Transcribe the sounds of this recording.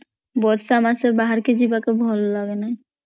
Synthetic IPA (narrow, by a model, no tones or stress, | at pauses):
bɔɾsamasebaɦaɾked͡ʑibakebʱɔlolaɡenae